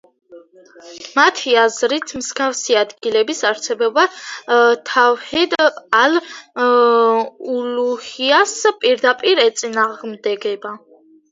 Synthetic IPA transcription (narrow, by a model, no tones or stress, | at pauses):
mat̪ʰiazɾit̪ʰmsɡafsiad̪ɡilɛbisaɾsʰɛbɛba | t̪ʰawhɛd̪al | uluhiaspʼiɾd̪apʼiɾɛt̪sʼinaʁmd̪ɛɡɛba